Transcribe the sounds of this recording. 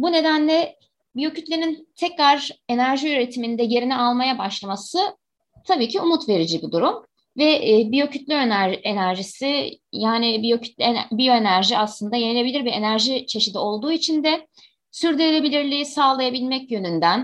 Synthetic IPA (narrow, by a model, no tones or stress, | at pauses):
bune̞d̪ænlʲɛ | bijo̞cyt̪lʲenint̪ʰɛcɾaɾe̞næɾʒiyɾe̞t̪ʰimind̪ɛje̞ɾinɛalˠmajabaʃlˠamasɯ | t̪ʰabiːcʰiumut̪ve̞ɾid͡ʒibid̪uɾum | vɛːbijo̞cʰyt̪lʲyønæe̞næɾʒisijaːnibijocʰy̥t̪lʲbijo̞e̞næɾʒiaslˠɯnd̪ajenilʲe̞bilʲiɾvɛenæɾʒit͡ʃʰe̞ʃid̪io̞lˠd̪uːit͡ʃʰind̪ɛ | syɾd̪yɾelʲe̞bilʲiɾlʲisaːlˠajabilʲmɛcjø̞nynd̪æn